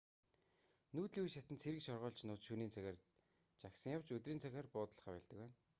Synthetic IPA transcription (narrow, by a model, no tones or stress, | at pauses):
nuːt̪ɮiːujʃat̪ɘ̆nt͡sʰeɾɘ̆kʃɔrʁœːɮt͡ɕnʊːt̪ʃuːniːnt͡sʰæxʲer | t͡ɕaksə̆ŋjawt͡ɕɵt̪riːnt͡sʰæxʲăːrpʊːt̪ə̆ɮ̆χaːpæːɮt̪ə̆kwæːn